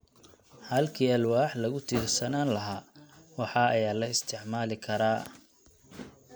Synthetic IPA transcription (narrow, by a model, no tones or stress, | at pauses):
hɐlkʰiːɐlwaːħlɐɣʊt̪ʰiːrsɐnaːnlɐɦaːwɑħɑːɐjaːlɐɪst̪ʰɪʕmaːlɪkʰɐɾaː